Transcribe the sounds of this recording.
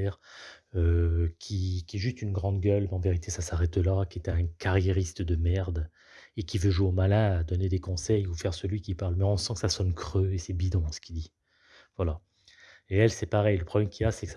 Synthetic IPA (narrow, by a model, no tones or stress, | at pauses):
ɛʁøkʲʰikʲiɛʒyst̪ynɡʁɑ̃d̪ɡʲœlmɑ̃veʁit̪esasaʁɛt̪lakʲiɛt̪ɛ̃kaʁjeʁist̪əd̪əmɛʁd̪ | ekʲivøʒueomalɛ̃ad̪ɔned̪ekɔ̃sɛjufɛʁsəlɥikʲipaʁlmɛɔ̃sɑ̃kə̥sasɔnkχøesɛbid̪ɔ̃sə̥kʲid̪i | vwala | eɛlsɛpaʁɛjləpχɔblɛmkʲilasɛks